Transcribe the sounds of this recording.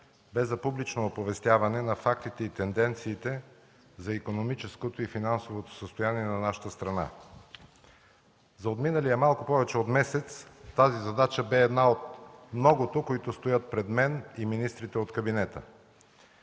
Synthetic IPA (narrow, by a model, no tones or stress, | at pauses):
bɛzːɐpublit͡ʃnoːpovɛst̪ʲjavɐnɛnɐfakt̪it̪ɛit̪ɛnd̪ɛnt̪siːt̪ɛ | zɐikonomit͡ʃɛskot̪oifinansovot̪o̥səst̪ojaniɛnɐnaʃə̥t̪əst̪ɾɐna̰ | zɐot̪minəlijəmalˠkʊpɔvɛt͡ʃɛot̪mɛsɛt̪sːazizɐd̪at͡ʃəbɛːd̪naot̪mnɔɡot̪okoit̪ʊst̪ojət̪̚pɾɛd̪mɛniminist̪ɾit̪ɛot̪kɐbinɛt̪ə̰